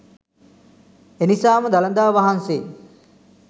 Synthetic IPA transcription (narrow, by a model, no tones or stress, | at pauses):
enisaːməd̪alənd̪aːʋaɦanseː